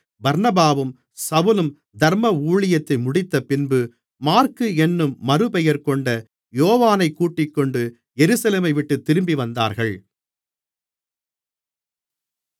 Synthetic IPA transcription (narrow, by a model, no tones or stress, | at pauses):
bɐɾnɐbaːʋɯm | sɐʋɯlɯm | d̪ɐɾmɐuːɭɪjɐt̪ːɐɪmʊɽɪt̪ːɐpɪnbɯ | maːɾkɯɛnːɯmːɐɾɯpɛjɐɾkɔɳɖɐ | joːʋaːnɐɪkːuːʈːɪkːɔɳɖɯ | jɛɾɯːsɐleːmɐɪʋɪʈːɯt̪ːɪɾɯmbiʋɐnd̪a̰ːɾɣɐɭ